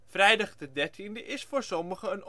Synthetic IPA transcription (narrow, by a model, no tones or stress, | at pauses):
frɛjdɑχdədɛɹtʰindəʔɪsfoːɹsɔməχəən